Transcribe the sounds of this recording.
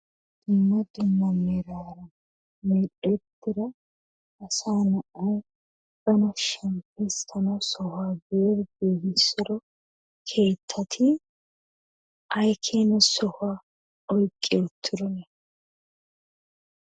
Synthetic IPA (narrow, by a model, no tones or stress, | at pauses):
d̪̥ɪmːɔd̪ɪmːɐmeːɾaːɾɐ | meᶑɛt̪ːɪɾɐ | ʔɐsaːnɐʔɐj | bɐnɔʃɐmpɛst̪ʰɐnɐwsɔhʊaːbeːɾbeːhɪsɪɾɔ | kʰe̞ːt̪ʰːɐt̪ʰɪ | ʔɐjkʰeːnɛsɔhʊaː | ɔjkʼːet̪ʰːɪɾɔnɛ